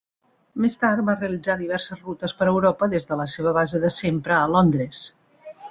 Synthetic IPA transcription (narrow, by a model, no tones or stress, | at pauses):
mest̪aɾt̪̚bareəlid͡zaðiβ̞ɛɾsəzrut̪əspəɾəwɾɔpəðezðələseβ̞əβ̞azəðəsempɾəːlɔnd̪ɾes